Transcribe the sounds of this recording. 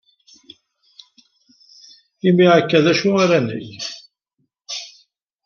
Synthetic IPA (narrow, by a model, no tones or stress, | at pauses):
imiʕakːæðæʃuaɾænə̰j